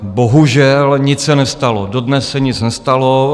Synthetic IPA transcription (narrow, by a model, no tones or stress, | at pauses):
boɦuʒɛlɲɪt͡ssɛnɛst̪alododnɛsːɛɲɪt͡snɛst̪alo